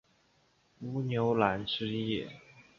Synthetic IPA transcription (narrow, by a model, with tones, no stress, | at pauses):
u˧˥njo˧˥ʊla˧˥nʈ͡ʂɻ̩˥jɛ˥˩